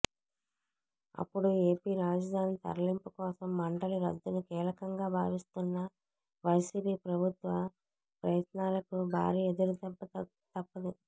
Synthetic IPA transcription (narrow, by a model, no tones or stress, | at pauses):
ɐ̰pːuɽue̞ːpiːɾaːd͡ʒɐd̪ʱaːnit̪ɐ̰ɾɐlimpukɔːsɐmːɐɳɖɐluɾɐd̪ːunukiːlɐkɐŋɡaːbʱaːʋist̪unːɐ | ʋɐjsiːpiːpɾɐbʱut̪ʋɐ | pɾɐjɐt̪naːlɐkubʱa̰ːɾiːed̪uɾut̪ɐ | t̪ɐpːɐd̪i